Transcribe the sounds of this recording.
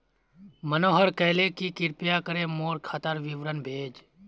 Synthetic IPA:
mənoːɦəɾkəːleːkikɪɾpɪjaːkəɾeːmoːɾkʰat̪əɾʋɪʋɾənbʱeːd͡ʒ

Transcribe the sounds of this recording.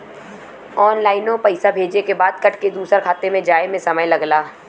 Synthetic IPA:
ɔːnlaːɪnõpɛɪsabʱeːd͡ʒekebaːd̪̚kɐʈked̪uːsəɾkʰaːt̪emẽd͡ʒaːemẽsɐməjlɐɡlaː

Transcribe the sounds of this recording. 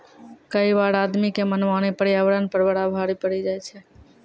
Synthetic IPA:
kəibaɽad̪mikemənʋanepəɽiaʋɾənpəɾbəɽabʱaɾipəɽid͡ʒajt͡ʃʰɛ

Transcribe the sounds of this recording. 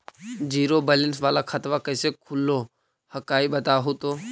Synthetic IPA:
d͡ʒiːɾoːbɛːlənsʋaːlakʰət̪ʋakəɪsekʰʊlːoː | həkaːiɓət̪aːɦot̪oː

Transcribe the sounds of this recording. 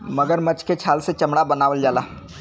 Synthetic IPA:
mɐɡəɾmɐt͡ʃket͡ʃʰaːlset͡ʃɐmɽabɐnaːʋəld͡ʒaːlaː

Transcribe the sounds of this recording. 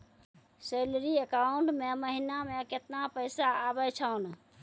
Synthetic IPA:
selɾiəkauɳʈmeməɦinameket̪napəjsaːbɛt͡ʃʰan

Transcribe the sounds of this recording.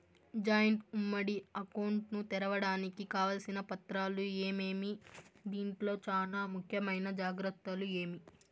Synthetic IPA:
d͡ʒaːjɐɳʈumːɐɽiɐkɐwɳʈnut̪ɛɾɐʋɐɽaːnikikaːʋɐlɐsinɐpɐt̪ɾaːlueːme̞ːmid̪iːɳʈlo̞ːt͡ʃaːlaːmukʰjɐmɐjnɐd͡ʒaːɡɾɐt̪ːɐlue̞ːmi

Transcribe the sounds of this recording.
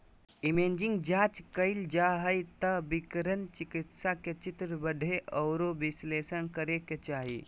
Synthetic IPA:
imed͡ʒiŋɡd͡ʒaːt͡ʃkəɪld͡ʒaɦəjt̪əbikəɾənt͡ʃikit̪saket͡ʃit̪ɾəbəɖʱeʔɔʊɾobisleːsənkəɾeket͡ʃaːɦi

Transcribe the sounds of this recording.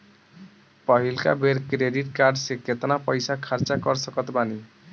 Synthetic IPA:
pʌɦilka̰beɾkɾeɖiʈkaɾɖsikːet̪napʌjsakʰaɾt͡ʃakʌɾsʌkʌt̪bani

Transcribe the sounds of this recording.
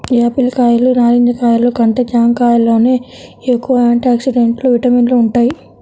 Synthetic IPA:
aːpilkaːjɐlunaːɾind̪ɐkaːjɐlukɐɳʈed͡ʒaːŋkaːjɐlo̞ːne̞ːekːuʋɐaːɳʈaːksiɖeɳʈluʋiʈɐminluuɳʈaːji

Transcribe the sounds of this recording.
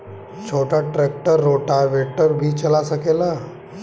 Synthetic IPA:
t͡ʃʰoʈaʈɾek̚ʈəɾːoʈaʋeʈəɾbʱiːt͡ɕəlasəkela

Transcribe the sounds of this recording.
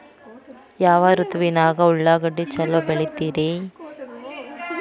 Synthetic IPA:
jaːʋɐɾut̪ʋinaːɡɐuɭːaːɡɐɖːit͡ʃɐlːobeɭit̪ːiːɾi

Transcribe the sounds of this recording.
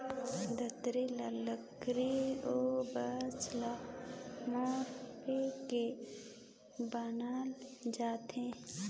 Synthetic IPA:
d̪ət̪ɾilaləkɾiobət͡ʃla | moːɾpeke | banaːld͡ʒaːt̪ẽː

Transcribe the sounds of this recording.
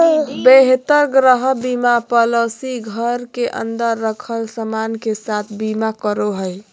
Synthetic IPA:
beɦt̪əɾɡɾəɦbimapələsiɡʱəɾkeʔə̰nd̪əɾːəkʰəlsəmankesat̪ʰbimakəɾoɦəj

